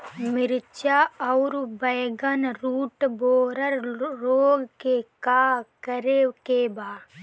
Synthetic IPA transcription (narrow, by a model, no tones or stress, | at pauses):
mɪɾt͡ʃaɔʊɾbəjɡənɾuːʈboːɾəɾɾoːɡkekaːkəɾekebaː